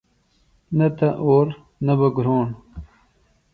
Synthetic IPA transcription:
nɐt̪ɐʔoːɾ | nɐbɐɡɾoːɳ

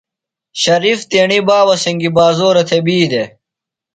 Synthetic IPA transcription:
ɕɐɾift̪eːɳibaːwɐsɐŋɡibaːzoːɾet̪ʰebiːd̪e

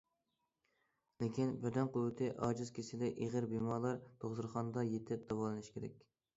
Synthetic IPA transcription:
lekʲinbɪɾd̪ɛnqʰʊɪt̪ʰɪʔɑ̰ːd͡ʒɨzkʲʰesɪd̪ɛʔeʁəɾbemɑlˠɑɾt̪ʰoʁzɨɾχɑnd̪ɑjet̪ʰɪp̚d̪̥ɑwɑlˠɨnɪʃkʲeɾɛ̰kʲ

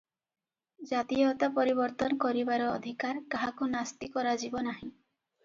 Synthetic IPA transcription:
d͡ʒat̪ijɔt̪apɔɾibɔɾt̪ɔnɔkɔɾibaɾɔːd̪ʱikaɾkaɦakunast̪ikɔɾad͡ʒibɔnaɦĩ

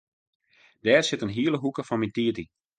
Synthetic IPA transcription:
d̥ɛːrsɪtənɦiələɦukəfɔnmintiəti

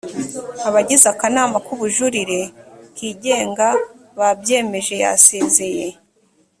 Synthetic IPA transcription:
aβaɟizakanaːmakuβuʒuɾiɾe̞kiːɟe̞ːŋɡa | βabje̞ːme̞ʒe̞ja̰seːzeje

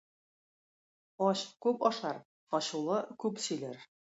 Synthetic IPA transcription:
ɒɕkʉpɒʃɑɾ | ɒɕulˠɤkʉpsɵ̆lɘɾ

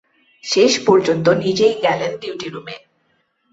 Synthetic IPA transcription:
ʃeʃpɔɾd͡ʑont̪onid͡ʑejɡɛlenɖiwʈiɾume

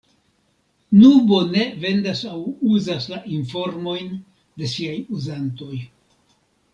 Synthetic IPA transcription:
nubo̞ne̞ve̞ndasawuzaslaʔinfo̞ɾmo̞jn | de̞siajuzanto̞j

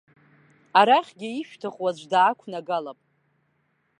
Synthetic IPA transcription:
aɾaχʲɡʲɪiʃᶣtʰɨχwazʷdaːkʷʰnaɡalapʼ

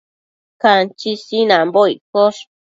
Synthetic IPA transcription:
kant͡ʃisinãmbojkoʂ

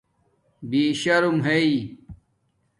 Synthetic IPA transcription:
biːɕɐɾumɦei

